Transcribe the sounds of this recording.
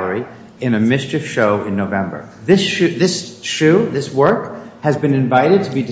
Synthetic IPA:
lˠə˞i | ɨ̃nɨmɪst͡ʃɨfʃoʊʔɨ̃nːoʊvɛ̃mbə̰˞ | ðɪsʃʉðɪsʃʉðɪswɜ˞khɨzbɨ̃nɨ̃ɱvaɪɾɨd̚tʰəbidɨ

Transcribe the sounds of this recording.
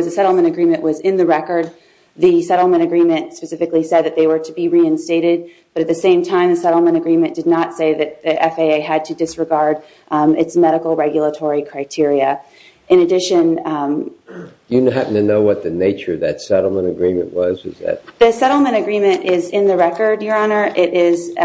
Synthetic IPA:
ʌzɨsɛɾl̩ˠmɨ̃ɾ̃ɨɡɹĩmɨ̃nʔwʌzɪ̃nðɨɹɛkə˞d̪̚ | ðɨsɛɾl̩ˠmɨ̃ɾ̃ɨɡɹĩmɨ̃ntspɨsɪfɨklisɛd̪̚ðɨt̪̚ðeɪwə˞ɾɨbiɹiɨ̃nsteɪɾɪd̚ | b̥ʌɾɨt̪̚ðɨsẽɪ̃mtʰãɪ̃mðɨsɛɾl̩ˠmə̃ɾ̃ɨɡɹĩmɨ̃nd̥ɨdⁿnətseɪðɨt̪̚ðiʔɛfeɪeɪɨd̚tʰɨdɨsɹɨɡɑɹɾ | ɨtsmɛɾəkl̩ˠɹɛɡjl̩ˠətʰɔɹikʰɹ̥aɪtʰɪɹiɨ | ʔɨ̃nɨdɪʃɨ̃n | d̥ɨɦæpn̩tʰɨnoʊwʌt̪̚ðɨneɪt͡ʃə˞ʌðɨtsɛɾl̩ˠmə̃ñɨɡɹĩmɨ̰̃nʔwʌzʌ̰zðɨ̰t̚ðɨsɛɾl̩ˠmɨ̃ɾ̃ɨɡɹĩmɨ̃ntʔɪzɪ̃nðɨɹɛkə˞djə˞ɑnə˞ʔɪɾʔɪz

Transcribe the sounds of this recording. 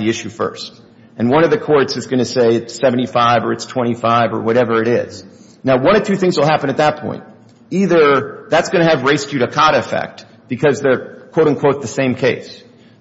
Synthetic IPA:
ðiɪʃʉfɜ̰˞st̚ | ɨ̃nwʌ̃ñʌvðɨkʰɔɹtsɨzɡʌnɨseɪɨtsɛṽn̩tifaɪvə˞ɨtstʰw̥ɛ̃ɾ̃ifaɪvə˞wʌɾɛvə˞ɨɾɪz̥ | naʊwʌ̃ɾ̃ʌv̥tʰʉθɪ̃ŋzwəlˠɦæpɨ̃ñɨt̪̚ðət̚pʰɔ̰̃ɪ̃nt̚ | iðə˞ðætsɡ̥ʌnɨːvɹeɪst͡ʃɨɾɨkʰɑɾɨfɛ̰k̚t̚ | b̥ɨkʰʌzðə˞kʰw̥oʊɾ̩̃kʰw̥oʊt̪̚ðɨsẽɪ̃mkʰeɪs

